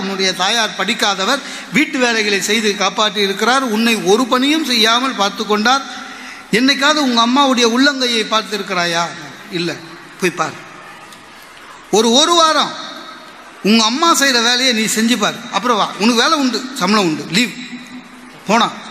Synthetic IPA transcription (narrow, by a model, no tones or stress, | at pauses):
ʊnːɯɽɐjɐt̪aːjaːɾpɐɽɪkːaːðɐʋɐɾ | ʋiːʈːɯʋeːlɐɪɣɐɭɐɪsɛjðɯkaːpaːʈːɯɪɾɯkːɪɾaːɾʊnːɐɪɔɾɯpɐnɪjɯmsɛjːaːmɐlpaːɾt̪ɯk̬ːɔɳɖaːɾ | ɛnːɐɪkːaːðɐʊŋɡɐːmːaːʋɯɽɐjɐʊɭːɐŋɡɐjɐɪpːaːɾt̪ɪɾɯkːɪɾaːjaː | ɪlːɛ | poːjpaːɾ | ɔɾɯɔɾɯʋaːɾɐ̃ | ʊŋɡɐːmːaːsɛjɾɐʋeːlɐjeniːsɛɲd͡ʒɯp̬ːaːɾɯɐpːɯɾɐ̃ʋa̰ːʊnɐkːɯʋeːlɐʊɳɖɯsɐmɯlɐ̃ʊɳɖɯliːʋ | poːɳãː